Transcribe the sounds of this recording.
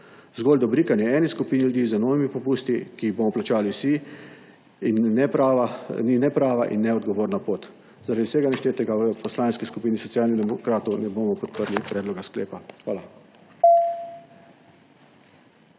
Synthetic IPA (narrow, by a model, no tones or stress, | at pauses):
zɡɔːld̪ɔbɾiːkanjɛɛːniskupiːnilud̪iːzənɔːʋimipɔpuːst̪ikiːbomɔplat͡ʃaːliwsi | nːɛpaninɛpɾaːʋaʔḭnːɛɔd̪̚ɡɔʋoːɾnapoːt̪ | zaɾad̪iwsɛɡanaʃt̪eːt̪ɛɡaʋəpɔslaːnskiskupiːnisɔt̪sjaːlniɣd̪ɛmɔkɾaːt̪ɔwnɛboːmɔpɔt̪pəɾlipɾɛːd̪lɔɡasklḛːpaxʋaːla